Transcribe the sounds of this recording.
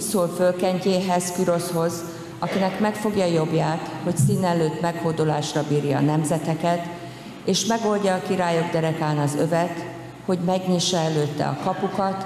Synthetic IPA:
soːlfølkɛɲceːɦɛzkyɾo̞sho̞z | ɒkinɛkmɛkfo̞ɡjɒjo̞bjaːt̪ho̞csiːnɛløːt̪mɛkhoːd̪olaːʃrɒbiːɾjɒ̰ːnɛmzɛt̪ɛkɛt̪ | eːʃmɛɡo̞lɟɒːkiɾaːjo̞ɡd̪ɛɾɛkaːnɒzø̞vɛt̪ | ho̞ɟmɛɡɲiːʃːɒɛløːt̪ːɛ̰ɒ̰kɒpukɒt̪

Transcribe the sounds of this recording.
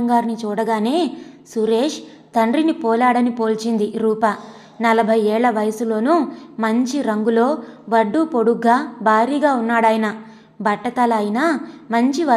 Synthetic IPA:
ŋɡaːɾnit͡ʃuːɽɐɡaːne̞ː | suɾeːʂ | t̪ɐɳɖɾinipɔːlaːɽɐnipoːlt͡ʃind̪iɾuːpɐ | nɐlɐbʱɐjɛːɭːɐʋɐjɐsulo̞ːnumɐɲt͡ʃiɾɐŋɡulo̞ːʋɐɖːupo̞ɽuɡaːbʱaːɾiːɡaːunːaːɽaːjnɐ | bʱɐʈːɐt̪ɐlɐjinamɐɲt͡ʃiʋɐ

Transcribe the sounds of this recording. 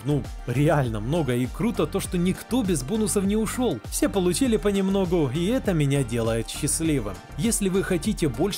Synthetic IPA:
nu | ɾʲɪalʲnəmno̞ɡəikɾut̪ət̪o̞ʂt̪o̞nʲɪkt̪o̞bʲɪzbonʊsəfnʲɪʊʂo̞lˠfsʲe̞pəlˠʊt͡ɕilʲɪpənʲɪmno̞ɡʊiɛt̪əmʲɪnʲadʲe̞lˠəjɪt̪ɕːɪsʲlʲivɨ̰m | jesʲlʲɪvɨxɐtʲitʲɪbo̞lʲ

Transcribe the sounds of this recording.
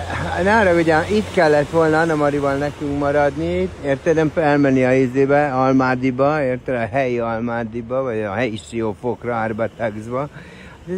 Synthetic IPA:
naːɾɒɡuɟɛit̪kɛlːɛt̪ʋo̞lnɒnɒmɒɾivɒlnɛkyŋkmɒɾɒd̪nit̪ːeːrt̪ɛnɛmfɛlmɛnːiɒizeːbɛɒlmaːd̪ibɒeːrt̪ɛlɒɦɛjiɒlmaːd̪ibɒvɒɟɒɦɛjiʃioːfokrɒaːrbɒt̪ɛɡzbɒ

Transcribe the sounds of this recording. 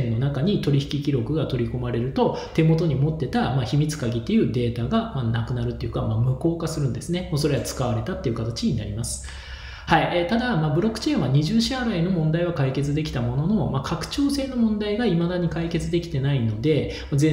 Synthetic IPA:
nːo̞nakaɲ̟it̪o̞ɾʲiçi̥kʲikʲiɾo̞kɯ̟ɡat̪o̞ɾʲiko̞maɾe̞ɾɯ̟t̪o̞t̪e̞mo̞t̪o̞ɲ̟imo̞t̪ːe̞t̪amaːçimʲit͡sɨ̥kaɡʲit̪ːe̞jɯ̟ːd̪e̞ːt̪aɡamanakɯ̟naɾɯ̟t̪ːeiɯ̟kamamɯ̟ko̞ːkasɨɾɯ̟̃nd̪e̞sɨnemoso̞ɾe̞ɡat͡sɨ̥kaβ̞aɾe̞t̪at̪ːe̞iɯ̟kat̪at͡ɕiɲ̟ina̰ɾʲimasɨ̥ | haiet̪ad̪amaːbɯ̟ɾo̞kːɯ̟̥t͡ɕẽ̞ːɰ̃aɲ̟iʑɨɕaɾaino̞mõ̞nd̪aiβakaike̞t͡sɨd̪e̞kʲi̥t̪amo̞no̞no̞makʰakɯ̟̥t͡ɕo̞ːse̞ːno̞mõ̞nd̪aiɡaimad̪aɲ̟ikaike̞t͡sɨd̪e̞kʲi̥t̪e̞naino̞d̪e̞ | mad͡zẽ

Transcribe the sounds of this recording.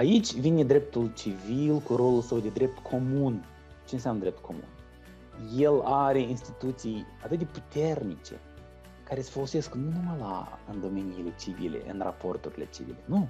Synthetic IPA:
ait͡ʃʲvine̞d̪ɾep̚t̪ult͡ʃivilkuɾo̞lulsəwd̪e̞d̪ɾe̞p̚t̪kʰo̞mun | t͡ʃe̞ɨnsjamnəd̪ɾe̞p̚t̪ko̞mṵn | je̞laɾe̞inst̪it̪ut̪sijat̪ɨt̪̚d̪e̞put̪e̞rnit͡ʃe̞̰ | kaɾe̞se̥folo̞se̞sknunuməla̰ɨnd̪o̞me̞niːle̞t͡ʃivḭle̞̰ʔɨ̰nra̰po̞rt̪uɾile̞̰t͡ʃivḭle̞nu

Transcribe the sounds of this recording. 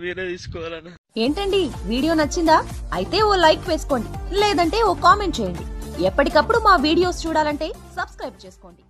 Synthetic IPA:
ʋinet̪iːskɔʋaːlɐn | eːɳʈɐɳɖiʋiːɽijo̞ːnɐt͡ʃːind̪aːɐ̰jit̪e̞ːoːlɐjʈʋe̞ːsu̥ko̞ːɳɖileːd̪ɐɳʈe̞ːoːkaːme̞ɳʈt͡ʃeːjɐɳɖiɛpːɐʈikɐpːuɽumaːʋiːɽijo̞ːst͡ʃuːɽaːlɐɳʈe̞ːsɐbskɾɐjb̚t͡ʃe̞ːsu̥ko̞ːɳɖi

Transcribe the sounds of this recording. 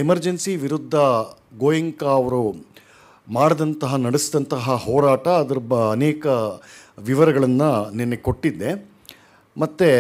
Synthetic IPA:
emɐɾd͡ʒensiʋiɾud̪ʱːɐ | ɡoːjɐŋkɐːʋɐɾu | maːɽɐd̪ɐnt̪ɐɦɐnɐɽesd̪ɐnt̪ɐɦɐɦɔːɾaːʈɐːd̪ɐɾɐbɐːnɛːkɐʋiʋɐɾɐɡɐɭɐnːɐnenːeko̞ʈːid̪ːe̞ | mɐt̪ːe

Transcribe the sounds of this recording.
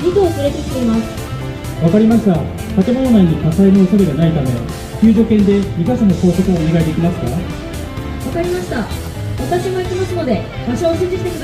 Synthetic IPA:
ɲʲit̪oːkɨɾet̪e̞kʲi̥t̪e̞imasɨ̥ | βakaɾʲimaɕi̥ka | t̪at̪e̞mo̞no̞naiɲ̟ikasainoːsaɾeɡanait̪amẽ̞̰ | kʲɯ̟ːʑo̞kẽ̞nd̪e̞mʲikasanoso̞ːsokɯoːneɡaid̪e̞kʲimasɨ̥ka̰ | βakaɾʲimaɕi̥t̪a | βat̪aɕiɡaikʲimasɨno̞d̪e̞ | baɕoːʑɨ̃ɲd͡ʑit͡sɨ̥t̪ekʲi

